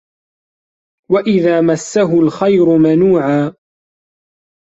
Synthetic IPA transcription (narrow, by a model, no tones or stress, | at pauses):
waʔɪðaːmasːaɦʊlxajɾʊmanuːʕaː